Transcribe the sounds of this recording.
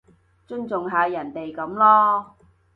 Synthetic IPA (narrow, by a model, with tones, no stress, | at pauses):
t͡ʃɵ˥nt͡sʊ˨ŋɦaː˨˧jɐ˨˩nt̪e˨jkɐ˨˧˥mlɔː˥